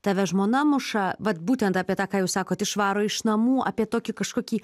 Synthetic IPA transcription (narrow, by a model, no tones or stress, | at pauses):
t̪ɑʋʲɛʒmoːnɐmʊʃɑʋɐt̪buːt̪ʲɛnt̪ɑːpʲiɛt̪ɑːkɑːjɛːsɑːkoːt̪ɪʃʋɑːɾoːɪʃnɐmuːʔɑ̰ːpʲiɛt̪oːkʲɪkɐʃkoːkʲiː